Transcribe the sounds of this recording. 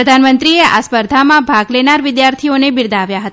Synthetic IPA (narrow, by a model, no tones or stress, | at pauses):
əd̪ʱanmənt̪ɾieʔa̰spəɾd̪ʱamãbʱaɡlenaɾʋɪd̪jaɾt̪ʰionebɪɾd̪aʋjaɦət̪a